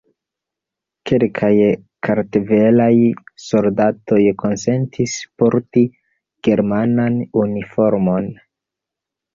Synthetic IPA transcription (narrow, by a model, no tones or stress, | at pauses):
kelkʰajkʰaɾteve̞lajso̞ldato̞jkʰo̞nse̞ntʰispoɾti | ɡ̥e̞ɾmananunifo̞ɾmo̞n